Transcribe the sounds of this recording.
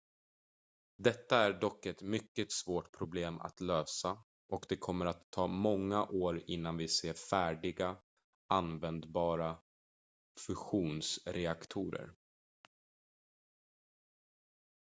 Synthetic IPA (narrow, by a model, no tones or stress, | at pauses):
d̪ɛt̪ːaæɖɔkːɛt̪mʏkːət̪svoːʈpʰɾʊbleːma̰t̪løːsa | ʔɔkd̪ɛkʰɔmːəɾat̪ʰːɑːmɔŋːaʔoːɾɪn̪ːanvɪseːfæːɖɪɡa | ʔanvɛnd̪bɑːɾa | fɵɧuːnsɾɛakt̪ʰuːɾə̰ɾ